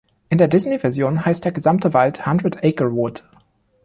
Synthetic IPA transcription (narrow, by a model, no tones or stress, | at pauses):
ʔɪndeːɐdɪznevɛɐzjoːnɦaɪstd̥eːɐɡəzamtəvalthandʁətʔɛɪkəwʊt